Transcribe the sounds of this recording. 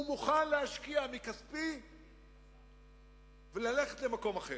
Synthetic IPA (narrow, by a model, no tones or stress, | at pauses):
umuχanleaʃkiamikaspi | velale̞χet̪le̞mako̞maχe